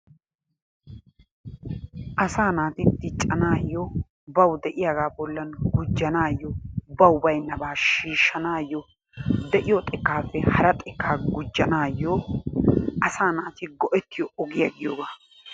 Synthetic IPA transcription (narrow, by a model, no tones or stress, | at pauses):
ʔɐsaːnaːt̪ɪd̪ɪt͡ʃʼːɐnaːjːɔ | bɐwd̪ɛʔɪjaːɡaːbɔlːɐnɡʊd͡ʒːɐnaːjːɔbɐwʊbɐjnːɐbaːʃiːʃːɐnaːjːɔ | d̪ɛʔɪjɔt̪ʼɛkːaːfːɛhɐɾɐt̪ʼɛkːaːɡʊd͡ʒːɐnaːjːɔ | ɐsaːnaːt̪ɪɡɔʔɛt̪ːɪjɔʔɔɡɪjɐɡɪjoːɡaː